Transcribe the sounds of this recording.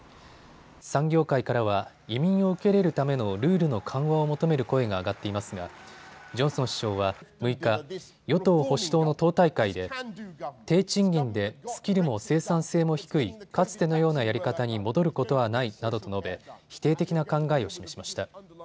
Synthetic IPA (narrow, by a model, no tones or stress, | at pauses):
sãŋɡʲo̞ːkaikaɾaβa | imʲĩɰ̃o̞ɯ̟ke̞ɾe̞ɾɯ̟t̪ame̞no̞ɾɯ̟ːɾɯ̟no̞kʰãɰ̃βaomo̞t̪o̞me̞ɾɯ̟ko̞e̞ɡaːɡat̪ːe̞imasɨɡad͡ʑõ̞ɰ̃sõ̞ɰ̃ɕi̥ɕo̞ːβ̞amɯ̟ika | jo̞t̪o̞ːho̞ɕi̥t̪o̞ːno̞t̪o̞ːt̪aikaid̪e̞ | t̪e̞ːt͡ɕĩŋɡʲĩnd̪e̞sɨ̥kʲiɾɯ̟mo̞se̞ːsãɰ̃se̞ːmo̞çi̥kɯ̟ikat͡sɨ̥t̪e̞no̞jo̞ːnajaɾʲikat̪aɲ̟imo̞d̪o̞ɾɯ̟ko̞t̪o̞βanainad̪o̞t̪o̞no̞be̞çi̥t̪e̞ːt̪e̞kʲinakãŋɡaeo̞ɕime̞ɕimaɕi̥t̪a